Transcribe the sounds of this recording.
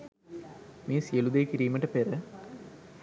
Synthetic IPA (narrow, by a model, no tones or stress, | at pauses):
meːsijəlud̪eːkiɾiːməʈəpeɾə